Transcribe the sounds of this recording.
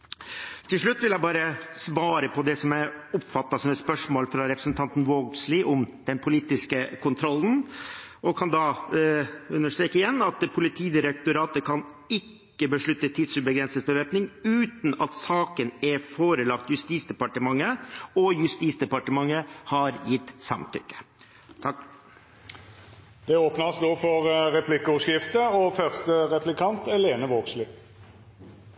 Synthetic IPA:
t̪ʰɪlʂɭʉt̪ːʋɪljæɪbɑːɾəsʋɑːɾəpʰɔd̪ɛsɔmæʊpfɑt̪ːɑsɔmɛt̪spœʂmoːlfɾɑɾɛpɾə̥sn̩t̪ʰɑnt̪n̩wɔɡ̪slɪʔʊmd̪̥ɛnpʰʊliːt̪ɪskəkʰʊnt̪ʰɾɔln̩ | ɔkʰɑnd̪ɑ | ʉnːəʂʈ̪ɾeːkəɪjɛnːɑt̪pʰʊlɪt̪ʰiːd̪ɪɾək̚t̪ʊɾɑːt̪əkʰɑn | ɪkːəbəʂɭʉt̪ːət̪ʰɪd̪sʉbəɡɾɛnsəsbəʋeːpnɪŋʉːt̪n̩ɑt̪sɑːkənɛfoːɾəlɑk̚t̪jʉst̪iːsd̪ɛpɑʈəmɑŋːəɔjʉst̪iːsd̪ɛpɑʈəmɑŋːəhɑɾjɪt̪ːsɑ̰mt̪ʰʏ̰kːə̥ | t̪ʰɑ | d̪̥ɛoːpnəsd̪oːfɔʁʁɛpʰlɪkːəʊʂkɪft̪əɔfœʁst̪əʁɛpʰlɪkʰɑnt̪ɛleːnəʋoːkslɪ

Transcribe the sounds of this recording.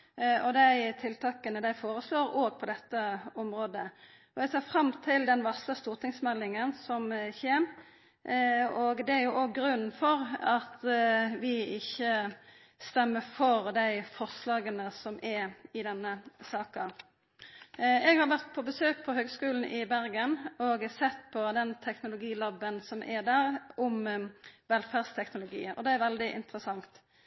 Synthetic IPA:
ɔd̪æɪt̪ʰɪlt̪ʰɑːkənəd̪æɪfoːɾəsloːɾoːɡ̚pʰɔd̪ɛt̪ːəɔmʁoːd̪ə | ɔɛɡseːfɾɑmt̪ʰɪld̪ɛnʋɑsləst̪uːʁt̪ʰɪŋsmɛlːɪŋənsɔmçeːm | ɔɡd̪ɛæɾjʊʔoːɡɡɾʉn̩fɔɾɑt̪ʋɪɪçːə | st̪ɛmːəfɔʁd̪æɪfɔʁslɑːɡənəsɔmʔɛɪd̪ɛnːəsɑːkɑ | ɛɡhɑɾʋæʁt̪̚pʰɔbəsøːk̚pʰɔɦøːɡskʉːln̩ʔɪbæɾɡənɔɡsɛt̪ːpʰɔd̪ɛnt̪ʰɛknʊlʊɡiːlɑbːənsɔmʔɛd̪æɾʔʊmʋɛlfæʁd̪st̪ʰɛknʊlʊɡḭːɔ̰d̪ɛæɾʋɛld̪ɪʔɪ̰nt̪ɾəsɑŋt̪

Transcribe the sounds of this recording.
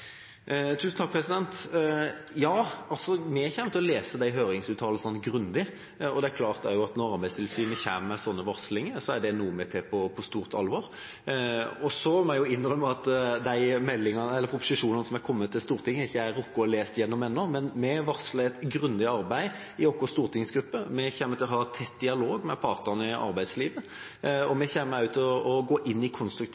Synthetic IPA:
t̪ʰʉːsn̩t̪ɑk̚pʰɾɛsɪd̪ɛnt̪ | jɑːɑlsɔmɛæçɛmt̪ɔleːsəd̪æɪɦøːɾɪŋsʉːt̪ʰɑːləsɔnt̪ːɡɾʉnd̪ɪ | ɔd̪ɛæɾkʰlɑːʁt̪æ̰ɾjʊɑt̪nɔɾɑɾbæɪst̪ʰɪlsyːnəçæːmmɛsɔnːəʋɑɾslɪŋəsɔæɖɛnuːəmɛt̪ʰɪpʰɔpʰɔst̪uːʁt̪ɑ̰lʋɑɾ | ɔsɔmɛɪjʊɪnːʁœmːəɑt̪d̪æɪmɛlːɪŋɑnəɛlːəɾpʰɾʊpʊ̥sɪʂuːnɑnəsɔmækʰɔmːət̪ʰːɪlst̪uːɾt̪ʰɪŋːəɪçːəæɾɔkːɔɔleːst̪jɛnːɔmɛnːɔmɛnmɛʋɑɾsləɛt̪ɡɾʉnd̪ɪɑɾbæɪ | ɪɔkːɔʁst̪uːʁt̪ʰɪŋsɡɾʉpːəmɛçeːmət̪ɪlɔɦɑːt̪ʰɛt̪ːd̪ɪɑloːɡmɛpʰɑːɾt̪ənəɪʔɑ̰ɾbæɪd̪sliːʋə | ɔmɛçeːməʉːt̪ʰːɪlɔʔɔɡoːʔɪnːɪkʰɔnst̪ɾʉkt̪

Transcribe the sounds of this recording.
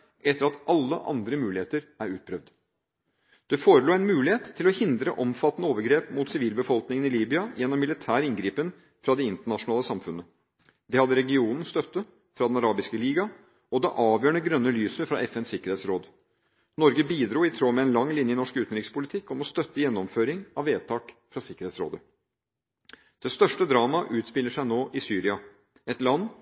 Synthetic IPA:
ʔɛt̪ːəɾɑt̪ʔɑlːə̰ʔɑ̰nd̪ɾəmʉːlɪeːt̪əɾæɾʉːt̪̚pʰɾœʋd̪ | d̪̥ɛfoːɾəluːæɪnmʉːlɪheːt̪ʰːɪlɔhɪnd̪ɾəʔɔmfɑt̪ːnəoːʋəɾɡɾeːpmʊt̪sɪʋiːlbəfɔlknɪŋənɪliːbʏɑjɛnːɔmːɪlɪt̪ʰæːɾəɪnɡɾiːpən | fɾɑd̪ɛɪnt̪əɳɑʂʊnɑːləsɑmfʉnːə | d̪ɛhɑd̪ːəɾɛɡɪuːnn̩st̪œt̪ːə | fɾɑd̪ɛnɑɾɑːbɪskəliːɡɑ | ɔd̪ɛʔɑːʋjøːɳəɡɾœnːəlyːsəfɾɑ̰ʔɛfɛnsɪkəɾheːt̪sɾoːd̪ | nɔɾɡəbiːd̪ɾuːɪt̪ʰɾoːmɛɛnlɑŋːlɪnjəɪnɔʂkʉːt̪n̩ɾɪkspʊlɪt̪ʰɪkːɔmɔst̪œt̪ːəjɛnːɔmføːɾɪŋɑʋːeːt̪ʰɑːkfɾɑsɪkːəɾheːt̪sɾo̰ːd̪ə | d̪̥ɛst̪œʂʈəd̪ɾɑːmɑʔʉːt̪spɪlːəʂæɪnoːʔɪsyːɾɪɑ | ɛt̪lɑnː

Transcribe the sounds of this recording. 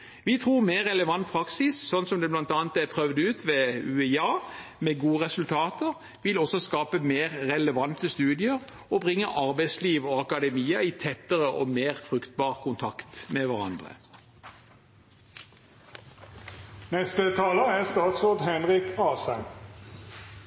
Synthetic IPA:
ʋiːt̪ʰʁuːmeːʁːɛləʋɑnt̪̚pʰʁɑksɪssɔnsɔmd̪ɛːblɑnt̪ɑːnt̪æpʰʁœʋd̪ʉːt̪ʋeːʉːɛɑːmeːɡuːəʁɛsʉlt̪ʰɑːt̪əʁ | ʋɪlɔsɔskɑːpəmeːʁːɛləʋɑnt̪əst̪ʉːd̪ɪəʁ | obʁɪŋːəʔɑʁbæɪsliːʋoɑkɑd̪ɛmiːəit̪ʰɛt̪əʁəʔoːmeːʁfʁʉkt̪̚bɑːʁkʰʊnt̪ʰɑkt̪meʋæʁɑ̰nd̪ʁə̰ | nɛst̪ət̪ʰɑːləæʁst̪ɑːt̪soːd̪ɦɛnʁɪkɑːsæn

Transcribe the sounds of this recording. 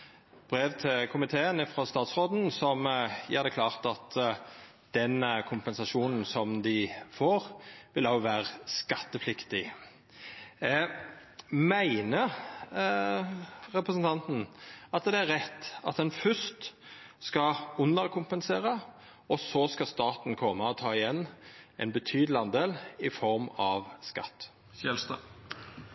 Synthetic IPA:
b̥ɾeːʋt̪ʰɪlkʰʊmɪt̪ʰeːənɪfʁɔst̪ɑːt̪sʁoːd̪n̩sɔmjɛ̰ːɾd̪ɛklɑːʁt̪ɑt̪ʰ | d̪̥ɛnkʰʊmpɛnsɑʂuːnn̩sɔmd̪ɪfoːʁʋɪlɑʊʋæːʁəskɑt̪ːəflɪkt̪ɪ | mæɪnə | ɾɛpɾəsnt̪ʰɑnt̪n̩ɑt̪d̪ɛæɾʁɛt̪ːɑ̰t̪̚d̪ɛnfœst̪ | skɑʊnəɾkʰʊmpənseːʁə | ɔsoskɑst̪ɑːt̪n̩kʰɔmːəɔt̪ʰɑːɪjɛnːʔɛnbət̪ʰyːd̪l̩ɪɑnd̪eːlɪfɔɾmɑʋskɑ̰t̪ː | ɛlst̪ː

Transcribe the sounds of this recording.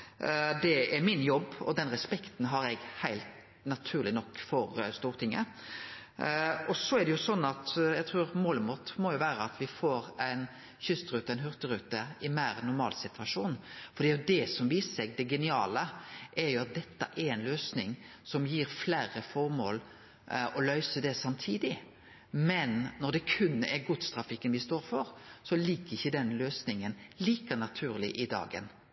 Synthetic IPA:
d̪ɛɛɾmɪnjɔbːɔ̰d̪ɛnɾɛspɛkt̪nɦɑɾɛɡhæɪlt̪ | nɑt̪ʰʉːʁlɪnɔkːfɔɾst̪uːɾt̪ʰɪŋːə̰ | ɔsɔɛɾɖ̪ɛjʊsɔnːɑt̪jɛɡ̚t̪ʰɾʉːɾmoːləmʊt̪mɔjʊʋæːɾəɑt̪ʋɪfoːɾæɪn | çʏst̪ɾʉːt̪əɛnɦʉɾt̪əɾʉːt̪əɪmæɪɾnʊɾmɑ̰ːlsɪt̪ʉ̥ɑʂuːnfɔɾd̪iːjʊd̪ɛsɔmʋiːsəsɛɡd̪ɛɡɛnɪɑːləʔɛɾjʊɑt̪̚d̪ɛt̪ːə̰ʔɛɾɛnløːsnɪ̰ŋsɔmjiːɾflæːɾəfɔʁmoːl | ɔlœʏsəd̪ɛsɑmt̪ʰiːd̪ɪ | mɛnːɔʁd̪ɛkʰʉnːɛɡʊt̪st̪ɾɑfɪkːənʋɪst̪oːɾfɔɾsɔliːkəɾɪçːəd̪ɛnløːsnɪŋənliːkənɑt̪ʰʉːɾlɪ̰ʔɪd̪ɑ̰ːɡə̰n

